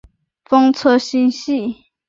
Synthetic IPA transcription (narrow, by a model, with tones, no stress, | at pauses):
fɤ˥ŋt͡sʰɔ˥ɕi˥nɕi˥˨